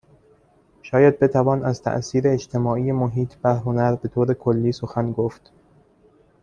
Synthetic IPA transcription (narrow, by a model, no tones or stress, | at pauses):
ʃɒːjæd̪̚be̞t̪ʰævɒːnæzt̪ʰæ̰ʔsiːɾeːd͡ʒt̪ʰe̞mɒːʔijemoɦiːt̪ʰb̥æɾɦo̞næɾbe̞t̪ʰoːɾe̞kʰolːiːsoxænɡoft̪